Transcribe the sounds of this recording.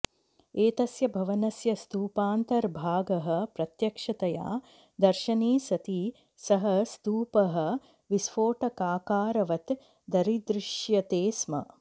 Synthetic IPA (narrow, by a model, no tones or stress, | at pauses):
eːt̪ɐsjɐbʱɐʋɐnɐsjɐst̪uːpaːnt̪ɐɾbʱaːɡɐɦɐ̆pɾɐt̪jɐkʂɐt̪ɐja̰ː | d̪ɐɾʃɐniːsɐt̪i | sɐɦɐst̪uːpɐɦɐ̆ | ʋisfoːʈɐkaːkaːɾɐʋɐt̪ | d̪ɐɾid̪ɾɪʂjɐt̪eːsmɐ̰